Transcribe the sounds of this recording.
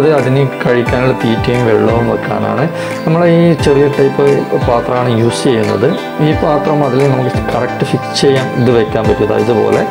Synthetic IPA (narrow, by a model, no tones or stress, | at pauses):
ɐðɨɐðinɨkɐɻikʲːaːnilːpiːtːɐjumʋeɭːɐʋumɐkːa̰ːɳa̰ːɳɨ | nɐmːɐɭeiːt͡ɕerijɐʈːɐjpːɨpaːt̪rɐmaːɳɨjuːst͡ɕejːunːɐ̰ðɨ | iːpaːt̪rɐmɐðilnɐmukːɨkɐrɐk̚ʈɨfikt͡ɕejːaːniðɨʋekʲːaːnpɐtːiɐða̰ːiðɨpo̞̰ːlḛ